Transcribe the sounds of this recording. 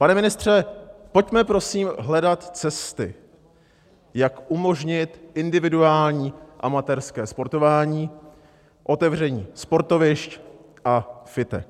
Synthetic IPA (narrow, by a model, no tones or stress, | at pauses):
panɛmɪnɪst̪r̝̥ɛpo̞cmɛpɾo̞siːmɦlɛdat̪t͡sɛst̪ɪ̰ | jakʔumo̞ʒɲɪt̪ʔɪndɪvɪduaːlɲiːʔamat̪ɛɾskɛːspo̞ɾt̪o̞vaːɲiː | ʔo̞t̪ɛvr̝ɛɲiːspo̞ɾt̪o̞vɪʃc | ʔafɪt̪ɛ̰k̚